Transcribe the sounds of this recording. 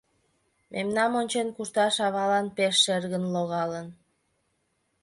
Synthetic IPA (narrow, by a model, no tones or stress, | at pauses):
mʔemnɑmonʲt͡ɕenkuʃt̪ɑʃɑβɑlɑnpeʃːerɣənloɣɑlən